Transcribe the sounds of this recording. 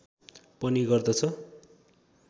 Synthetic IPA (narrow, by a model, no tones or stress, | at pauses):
pʌniɡʌrd̪ʌt͡sʰʌ